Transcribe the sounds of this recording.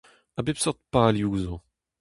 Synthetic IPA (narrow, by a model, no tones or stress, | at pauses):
abepsɔʁt̪̚paːljuːzɔ̃